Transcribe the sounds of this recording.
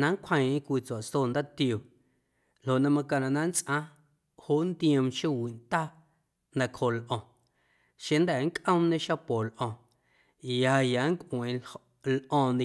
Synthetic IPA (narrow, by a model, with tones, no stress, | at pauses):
nã˧˦ŋ˦kʷʰə̃˧j̃ʔẽ˦kʷiː˧t͡sa˨ʔsoː˦˨nd̪a˦t̪jo˨ | lo˨ʔnã˧mã˧ka˧nã˧˨nã˦nt͡sʼʔã˦ | ho˦ʔnd̪ĩ˦ə̃˧mʃo˦wi˨ʔnt̪a˦ | nã˧˨kho˨lʔɔ̃˨ | ʃẽ˧nd̪ɛ˨˦ŋ˦kʼʔə̃˦mnẽ˧ʃa˦po˨lʔɔ̃˧˨ | ja˨˧ja˨˦ŋ˦kʷʼʔw̃ẽ˨ | lʔɔ̃ː˧nĩ˧